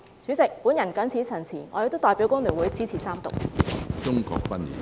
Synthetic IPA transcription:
t͡sʰy˨˥t͡sɪ˨k̚puː˨˥njɐ˨˩nkɐ˨˥nt͡sʰiː˨˥t͡sʰɐ˨˩nt͡sʰiː˨˩ŋɔː˨˧jk̚t̪o˥wt̪ɔː˧jpiː˨˥wkʊ˥ŋlyː˨˩nwuː˨˧˥jt͡siː˥t͡sʰiː˨˩saː˥mt̪ʊ̰˨k̚t͡ʃʊ˥ŋkɔ̰ː˨˧k̚pɐ˦˥nḭ˨˩

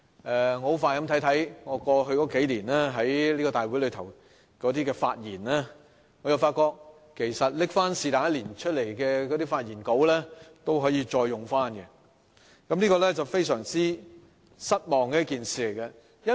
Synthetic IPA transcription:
ʔɛː˨ŋɔ˧hwfaː˧jkɐ˧˥mt̪ʰɐ˨˥jt̪ʰɐ˨˥jŋɔː˨˧kɔː˧ɦɵ˧ɥkɔː˨˧˥ke˨˥jliː˨˩nɛː˥ɦɐ˨˥jliː˥kɔ˧t̪aː˨˩jwu˨˥lɵ˨˧t̪ʰɐ˨˩w | kɔː˨˥t̪iː˥kɛː˧faː˧t̚jiː˨˩nɛː˥ | ŋɔː˨˧jɐ˨˧wfaː˧t̚kɔː˧k̚ | kʰːe˨˩jsɐ˨t̚lɪ˥k̚faː˥nsiː˧t̪aː˨˥jɐ˥t̚liː˨˩nt͡ʃʰɵ˥t̚le˨˩jkɛː˧kɔː˨˧˥t̪iː˥faː˧t̚jiː˨˩nko˨˥wlɛː˥t̪o˥wɦɔː˨˥jiː˧t͡ʃɔː˧jːʊ˨ŋfaː˥nkɛ˧ | kɐ˨˦mnliː˥kɔː˧lɛ˥t͡sɐ˨wfe˥jsœː˨˩ŋt͡siː˥ | sɐ˥t̚mɔː˨˩ŋkɛ˧˦ɐ˥kiː˨nsiː˨le˨˩jkɐ˧ | jɐ˥

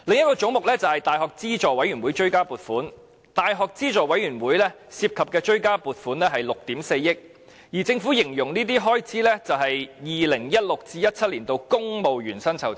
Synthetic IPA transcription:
lɪ˨ŋjɐ˥t̚kɔː˧t͡sʊ˨˥ŋmʊ˨k̚lɛː˥t͡sɐ˨whɐ˨jt̪aː˨jhɔː˨k̚t͡siː˥t͡ʃɔː˨wɐ˨˧˥jɥyː˨˩nwu˨˥jt͡ʃɵ˥ɥkaː˥puː˨t̚fuː˨˥n | t̪aː˨jɦɔː˨k̚t͡siː˥t͡ʃɔː˨˩wɐ˨˥jyː˨˩nwuː˨˥jlɛː˥ | siː˧p̚kʰɐ˨p̚kɛː˧t͡ʃɵ˥ɥkaː˥puː˨t̚fuː˨˥nlɛː˥ɦɐ˨jlʊ˨k̚t̪iː˨˥mse˧jjɪ˥k̚ | jiː˨˩t͡sɪ˧ŋfuː˨˥jɪ˨˩ŋjʊ˨˩ŋniː˥t̪iː˥ɦɔː˥jt͡sʰiː˨˥lɛː˥t͡sɐ˨wɦɐ˨jjiː˨lɪ˨˩ŋjɐ˥t̚lʊ˨k̚t͡siː˧jɐ˥t̚t͡sʰɐ˥t̚liː˨˩nt̪o˧wkʊ˥ŋmo˨wjyː˨˩nsɐ˥nt͡sʰɐ̰˨˩w

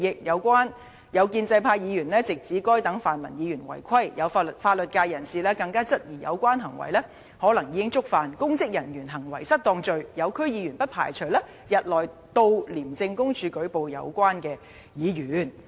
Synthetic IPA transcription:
jɪ˨k̚jɐ˨˧wkʷaː˥n | jɐ˨˧wkiː˧nt͡sɐ˧jpʰaː˧jiː˨˧jyː˨˩nlɛː˥t͡sɪ˨k̚t͡siː˨˥kɔː˥jt̪ɐ˨˥ŋfaː˨˩nmɐ˨˩njiː˨˧jyː˨˩nwɐ̰˨˩jkʰɐ˥jjɐ˨˧wt̚faː˧t̚lɵ˨t̚kaː˧jɐ˨˩nsiː˨lɛː˥kɐ˧ŋkaː˥t͡sɐ˥t̚jiː˨˩jɐ̰˨˧wkʷaː˥nɦɐ˨˩ŋwɐ̰˨˩jlɛː˥ | hɔː˨˥lɐ˨˩ŋjiː˨˧˥ɪ˥ŋt͡sʊ˥k̚faː˨nkʊ˥ŋt͡sɪ˥k̚jɐ˨˩njyː˨˩nɦɐ˨˩ŋwɐ˨˩jsɐ˥t̚t̪ɔː˧ŋt͡ʃɵ˨˧ɥjɐ˨˧wkʰɵ˥ɥjiː˨˧jɥyː˨˩npɐ˥t̚pʰa̰ː˨˩jt͡ʃʰɵ˨˩lɛː˥ | jɐ˨t̚lɔː˨j | t̪o˧wliː˨˩mt͡sɪ˧ŋkʊ˥ŋt͡ʃʰyː˨˧kɵ˨˥ɥpo˨wjɐ̰˨˧wkʷaː˥nkɛː˧ | jiː˨˧jyː˨˩n

